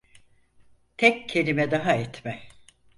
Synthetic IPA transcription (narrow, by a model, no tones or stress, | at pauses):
t̪ʰɛccʰːelʲimɛd̪aɦaɛt̪mɛ